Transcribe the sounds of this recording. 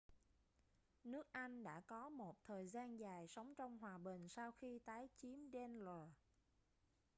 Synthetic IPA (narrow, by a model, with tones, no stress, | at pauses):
nɨ˦˥ək̚ʔa˧jŋ̟ɗa̰ː˧˥kɔ˨˦mo˨˩t̚t̪ʰəː˨˩jzaː˧nzaː˨˩jsə˨˦wŋ͡mt͡ɕɔ˧wŋ͡mɦwaː˨˩ɓï˨˩ŋ̟saː˧wxi˧t̪aː˨˦jt͡ɕi˨˦əmɗɛ˧nləː˨˩